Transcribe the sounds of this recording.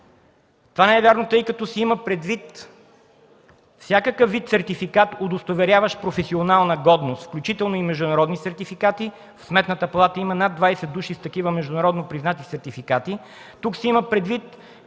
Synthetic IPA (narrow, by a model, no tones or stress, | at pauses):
t̪ovanɛɛvʲjaɾnot̪ɤjkɐt̪ɔsiiməpɾɛd̪vit̪ | fsʲjakəkəfːit̪sɛɾt̪ifikat̪od̪ost̪ovɛɾʲavəʃpɾofɛsionalˠnəɡɔd̪nost̪fklʲut͡ʃit̪ɛlˠnoimɛʒd̪ʊnɐɾɔd̪nisɛɾt̪ifikat̪i | fsmɛt̪nət̪əpɐlˠat̪əimənad̪ːvajsɛd̪ːuʃist̪ɐkivəmɛʒd̪ʊnɐɾɔd̪nopɾiznat̪isɛɾt̪ifikat̪i | t̪uksiiməpɾɛd̪vit̪